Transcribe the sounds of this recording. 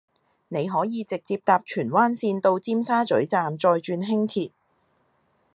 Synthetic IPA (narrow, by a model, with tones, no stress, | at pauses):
ne˨˧jɦɔː˨˥jiː˨˧t͡sɪ˨k̚t͡siː˧p̚t̪aː˨p̚t͡ʃʰyː˨˩nwaː˥nsiː˧nt̪o˧wt͡siː˥msaː˥t͡sɵ˨˥ɥt͡saː˨mt͡sɔː˧jt͡ʃyː˧nɦɪ˥ŋt̪ʰiː˨t̚